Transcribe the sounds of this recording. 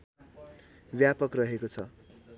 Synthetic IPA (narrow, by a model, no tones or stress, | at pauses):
bjapʌkrʌɦekot͡sʰʌ